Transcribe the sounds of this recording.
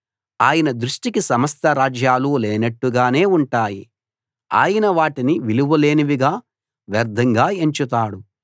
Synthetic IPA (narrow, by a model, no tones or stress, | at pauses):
aːjɐnɐd̪ɾuʂʈikisɐmɐst̪ʰɐɾaːd͡ʒjaːluːlɛːnɐʈːuɡaːne̞ːuɳʈaːji | a̰ːjɐnɐʋaːʈiniʋiluʋɐle̞ːniʋiɡaː | ʋɐɾd̪ʱɐŋɡaːeɲt͡ʃut̪aːɽu